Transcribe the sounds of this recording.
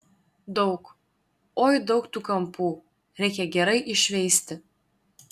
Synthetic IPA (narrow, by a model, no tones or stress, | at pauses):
d̪ɐʊk | ojd̪ɐʊkt̪ukɐmpuː | ɾʲɛɪkʲɛɡʲɛɾɐɪʔɪʃʲʋʲɛɪsʲt̪ʲɪ